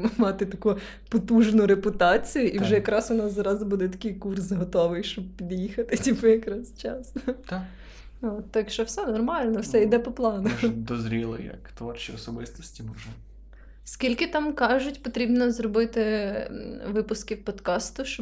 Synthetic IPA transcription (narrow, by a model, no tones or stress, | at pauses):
mɑt̪ɪt̪ɐku | pɔt̪uʒnʊɾepʊt̪ɑt͡sʲijʊʔiwʒɛjɐkɾɑsʊnɑszɾɑzbud̪ɛt̪ɐ̥kʲɪjkursɦɔt̪ɔʋɪjʃt͡ʃɔb̚pʲid̪jixɐt̪ɪtʲipɪjɐkɾɑst͡ʃɑ̰st̪a | oɔt̪ːɑkʃt͡ʃɔwsɛnɔrmɑlʲnɔwsɛid̪ɛpɔplˠɑnʊd̪ɔzɾʲilˠɪ̰jjɐ̰kt̪ʋɔrt͡ʃiɔsɔbɪst̪ɔsʲtʲimɔʒɛ | skʲilʲkɪt̪ɑmkɑʒʊtʲpɔt̪ɾʲibnɔzɾɔbɪt̪ɪ | ʋɪpʊskʲiwpɔd̪kɑst̪ʊʃt͡ʃɔ